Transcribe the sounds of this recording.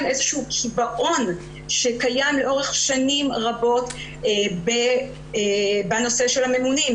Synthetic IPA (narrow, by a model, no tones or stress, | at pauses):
mezeʃuːkʰibaʔo̞n | ʃe̞kajamle̞ʔo̞ʁeχʃanimʁabo̞t | be | bano̞se̞ʃe̞lhame̞munim